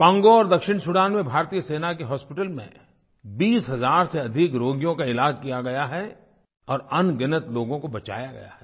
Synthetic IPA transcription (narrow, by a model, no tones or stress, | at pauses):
pãːŋɡoɔːɾd̪ɐkʃɪɳsʊɽaːnmẽbʱaːɾt̪ijəseːnakeɦɔːspɪʈəlmḛ̃ | biːsɦɐzaːɾseɐd̪ʱɪkɾoːɡjõkaɪlaːd͡ʒkijaɡɐjaɦɛ | ɔːɾɐnɡɪnət̪loːɡõkobɐt͡ʃa̰ːjaɡɐ̰ja̰ɦɛː